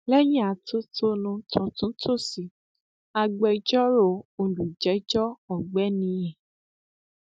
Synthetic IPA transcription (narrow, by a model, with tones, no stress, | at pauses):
lɛ˦jĩ˦a˨tʰo˦tʰo˦nũ˧tʰũ˨tũ˨˦tʰo˦˨si˨ | a˧ɡ͡bɛ˧˦d͡ʒɔ˦ɾo˧˨o˧du˨d͡ʒɛ˨˦d͡ʒɔ˦ɔ˨ɡ͡bɛ˨˦nĩ˧jɛ̃˨